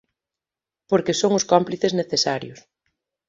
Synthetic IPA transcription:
poɾkesoŋʊskɔmpliθezneθesaɾjʊs

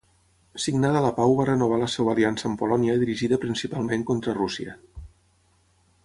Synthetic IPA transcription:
siɡnaðələpawβarənuβ̞aləseβəːliansəːmpulɔniəðiɾiʒiðəpɾinsipalˠmeŋkont̪ɾərusiə

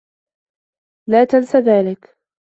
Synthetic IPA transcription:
laːt̪ansaðaːlɪk

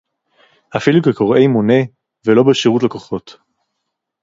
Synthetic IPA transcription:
ʔafilukeko̞ʁʔe̞jmone̞ | velo̞beʃiʁutlakoχo̞t

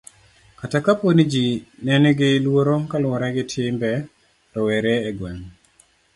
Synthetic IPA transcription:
katakaponid͡ʒinɛnɡɪlwoɾokalwɔɾaɡɪtʰɪmbɛ | tɔwɛɾɛːɡwɛŋ

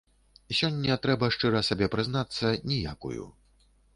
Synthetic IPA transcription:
sʲɔnʲːɐt̪ɾɛbɐʂt͡ʂɨɾɐsabʲɛpɾɨznat̪sːɐnʲija̰kṵjṵ

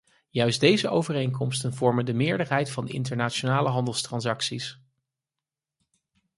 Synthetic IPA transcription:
jœɥsdejzəʔowvərejŋkɔmstənvɔɹməndəmɪːɹdəɹɦɛjtfɑndəɪ̰ntəɹnaːt͡ʃonaːləɦɑndəlˠstrɑnsɑksis

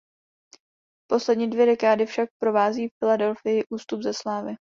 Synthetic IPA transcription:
po̞slɛdɲiːdvjɛdɛkaːdɪfʃak̚pɾo̞vaːziːffɪladɛlfɪjɪʔuːst̪ubzɛslaːvɪ

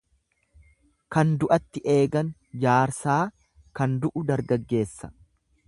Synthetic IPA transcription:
kɐnd̪ʊʔɐt̪ːɪʔe̞ːɡɐnd͡ʒaːɾsaː | kɐnd̪ʊʔʊd̪ɐɾɡɐɡːe̞ːsːɐ̥

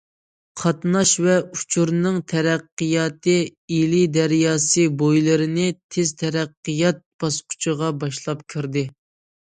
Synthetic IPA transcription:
qʰɑt̪nɑʃvɛut͡ʃʰuɾnɨŋt̪ʰɛɾæqːɨjɑːt̪ʰɨilid̪æɾjɑːsɨbojlˠɨɾɨnɪt̪ʰezt̪ʰɛɾæqːɨjɑt̪̚b̥ɑsqʰʊ̥t͡ʃʰəʁɑbɑʃlˠɑpkʲʰiɾd̪ɪ

